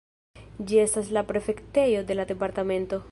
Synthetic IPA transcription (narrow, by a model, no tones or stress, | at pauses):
d͡ʒie̞staslapɾe̞fe̞kte̞jo̞de̞lade̞paɾtame̞nto̞